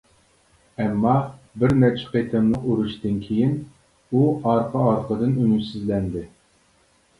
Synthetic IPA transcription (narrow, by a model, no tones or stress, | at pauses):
ɛmːɑ | bɪɾmɛt͡ʃʰːɪ̥pʰet̪ʰɨnlˠɨquɾuʃt̪ɨnkʲʰejin | uɑɾqʰəɑɾqəd̪ɨnynysyzlɛnd̪ɪ